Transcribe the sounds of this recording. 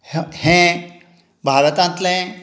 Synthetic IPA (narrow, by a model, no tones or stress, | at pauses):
hẽ | bʱaːɾət̪ãnt̪leẽ